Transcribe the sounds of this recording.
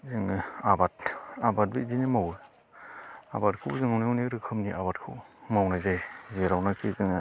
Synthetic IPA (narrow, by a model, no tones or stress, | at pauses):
zɯŋabatabat̚bizinemawɯ | a̰bat̚kʰɯwzɯŋawnewneɾɯkʰɯmniʔabatkʰɯwmawnajzajzeɾawnakʰizɯŋ